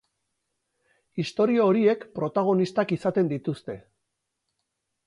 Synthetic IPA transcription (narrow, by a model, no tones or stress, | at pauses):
ist̪o̞ɾioːɾie̞kpɾo̞t̪aɣ̞o̞nist̪akisat̪e̞nd̪it̪ust̪e̞